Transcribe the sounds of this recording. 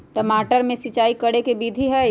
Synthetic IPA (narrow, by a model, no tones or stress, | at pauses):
ʈɐmaːʈəɾmẽsɪt͡ʃaːikɐɽekebiːd̪ʱiɦɛ